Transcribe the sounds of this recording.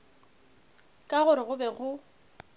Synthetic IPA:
kʼaɣʊɾɪɣʊbɛɣʊ

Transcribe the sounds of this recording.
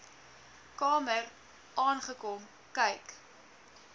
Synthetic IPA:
kɑːmər | ʔɑːnχəkɔm | kɐjk

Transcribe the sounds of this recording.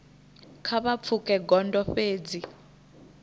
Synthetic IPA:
kʰaβap̪fʰukʼɛɡɔndɔɸeːd͡zi

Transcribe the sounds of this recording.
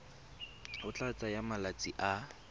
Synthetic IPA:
hʊt͡ɬʼat͡sʼajamalat͡sʼiʔa

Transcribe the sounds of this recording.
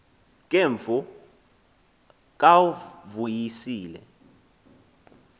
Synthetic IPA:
k̬ʼeɱvu | k̬ʼawuvujisiːlɛ̰

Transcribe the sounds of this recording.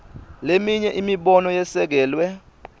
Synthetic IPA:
lemiɲɛʔimiɓɔnɔjɛsɛk̬ɛːlwɛ

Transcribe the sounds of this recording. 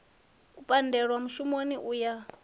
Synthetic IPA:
upʼandɛɺwamuʃumoniʔuːja

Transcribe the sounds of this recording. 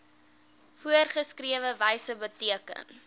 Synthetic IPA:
fuərχəskriəvəvɛjsəbətiəkə̰n

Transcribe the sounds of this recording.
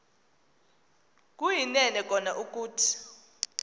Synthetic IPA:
k̬ʼujinɛnɛk̬ʼɔnaʔuk̬ʼuːtʰi̥

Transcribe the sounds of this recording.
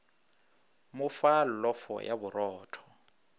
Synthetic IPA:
mʊfallɔfɔ̰jaburɔːtʰɔ̥

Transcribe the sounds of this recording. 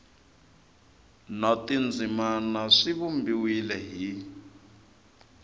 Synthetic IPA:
natind͡zʱimanaʂiβumbiwilɛɦi

